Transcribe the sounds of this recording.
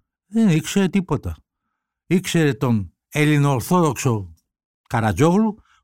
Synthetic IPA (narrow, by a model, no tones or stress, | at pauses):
ðenikseɾet̪ipo̞t̪ɐ | ikseɾet̪on | elinoɾθoðokso | kɐɾɐzoɣlu